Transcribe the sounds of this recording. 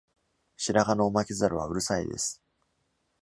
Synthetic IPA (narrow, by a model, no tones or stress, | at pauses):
ɕiɾaɡano̞ːmakʲizaɾɯ̟β̞a̰ɯ̟ɾɯ̟saḭd̪e̞̰sɨ̥